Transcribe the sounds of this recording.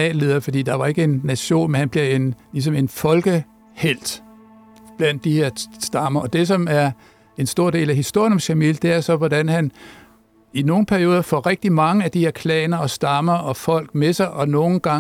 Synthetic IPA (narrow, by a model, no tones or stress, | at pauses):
ɛ̰ːlːe̝ðˠɐfɒd̥ḭːd̥ɑ̈ʋɑ̈e̝ɡ̥əe̝nːæɕo̝̰ːnmenhænb̥le̝enlis̬ɒ̽me̝nfɒ̽lɡ̥ə | hel̰d̥ | b̥læn̰d̥ːihe̝ɐ̰sd̥ɑ̈mɐʔɒ̽d̥e̝s̬ɒ̽mæɐ | e̝nsd̥o̝ɐ̰d̥e̝̰ːlæɦisd̥o̝ɐjnɒ̽mɕæmḭld̥e̝æɐsɒ̽ʋɒd̥ænhæn | ino̝ːŋn̩pʰæɐjo̝ːðˠɐfɒ̰ʁeɡ̥̚d̥imɑ̈ŋəæd̥ihe̝ɐkʰlɛ̰ːnɐɒ̽sd̥ɑ̈mɐʔɒ̽fɒ̽l̰ɡ̥mesɑ̈ɪʔɒ̽no̝ːn̩ɡ̥ɑ̈